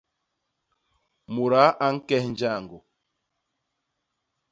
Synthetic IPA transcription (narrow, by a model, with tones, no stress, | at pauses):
mu˨ɾa˨˦ʔa˦ŋ̩˦kɛ˦hn̩˦d͡ʒa˦˨ŋɡo˨